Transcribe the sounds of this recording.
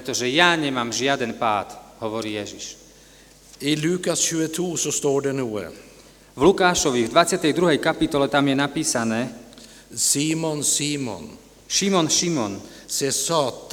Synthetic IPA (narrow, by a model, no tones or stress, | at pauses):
pɾɛt̪ɔʒɛjaːɲɛmaːmʒɪad̪ɛnpaːt̪ɦɔʋɔɾiːjɛʒḭʃ | ilʉ̟ːkasɕʉːət̪ʰuːsɔst̪oːɖɛnuːə̰ | vlukaːʃɔʋivd̪ʋat͡sɪat̪ɛjd̪ɾuɦɛjkapit̪ɔlɛt̪amjɛnapiːsanɛː | siːmɔnsiːmɔ̰n | ʃimɔnʃimɔnsɛːsɑːt̪